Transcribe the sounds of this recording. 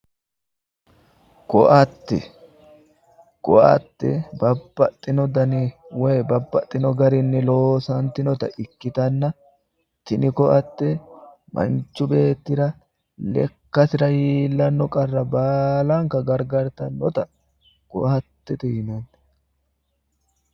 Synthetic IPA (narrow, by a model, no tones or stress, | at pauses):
kɔʔɐt̪ːɛ̰ | kʼɔ̰ʔɐ̰t̪ːɛbɐbːɐt̪ʼːɪnɔd̪ɐnɪwejbɐbːɐt̪ʼːɪnɔɡɐɾɪnːɪlo̞ːsɐnt̪ɪnɔt̪ɐʔɪkːɪt̪ɐnːɐ | t̪ɪnɪkɔʔɐt̪ːɛ | mʔɐ̰nt͡ʃːʊbe̞ːt̪ːɪɾɐ | lɛ̰kːɐsɪɾɐhiːlːɐnːɔkʼɐrːɐbaːlɐŋkɐɡɐɾɡɐɾt̪ɐnːɔt̪ɐ | kʼɔ̰ʔɐt̪ːɛt̪ɛjɪnɐnt̪ɛ̥